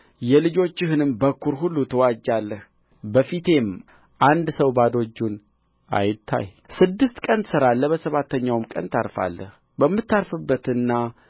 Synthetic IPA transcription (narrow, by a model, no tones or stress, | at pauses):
jɛlɨd͡ʒo̞t͡ʃːɪhɨnɨmbəkːuɾɦulːut̪ʰəwad͡ʒːalːəh | bəfit̪ʰe̞m | ʔand̪səwbad̪o̞d͡ʒːun | ʔa̰jɪt̪ʰːa̰j | sɨd̪ːɨst̪kʼənsɨɾalːəbəsəβat̪ʰːəɲːawmkʼə̰nt̪ʰaɾfa̰lːə̰h | bəmːɨt̪ːaɾfɨbːət̪ɨnːa